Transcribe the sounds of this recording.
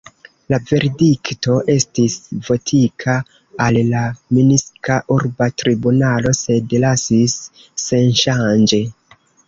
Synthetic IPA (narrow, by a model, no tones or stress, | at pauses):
lave̞ɾdikto̞ʔe̞stisvo̞tʰikʰaː | lːaminiskaʔuɾbatɾibunalo̞se̞dlasisː | e̞nʃand͡ʒe̞